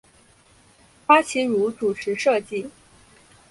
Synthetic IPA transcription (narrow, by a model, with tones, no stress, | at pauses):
fa˥t͡ɕʰi˧˥ɻu˧˥t͡su˨˩ʈ͡ʂʰɻ̩˧˥ʂɤ˥˧t͡ɕi˥˩